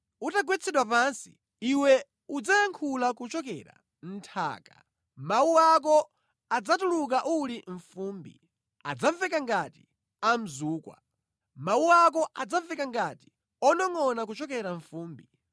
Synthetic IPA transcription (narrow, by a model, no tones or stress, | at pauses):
utaɡwɛt͡sʰɛɗwapansi̥ | iwɛ | ud͡zajaŋkʰulakut͡ʃɔkɛ̰ɾa̰ | n̩tʰa̰ːka̰ | mawuwak̬ɔ | ad͡zatuluk̬aʔuliɱ̩fuːmbḭ | a̰d͡zaɱvɛkaŋɡati̥ | am̩zuːkwa̰ | mawuwak̬ɔʔad͡zaɱvɛkaŋɡati̥ | ɔnɔŋɔnak̬ut͡ʃɔkɛɾaɱfuːmbi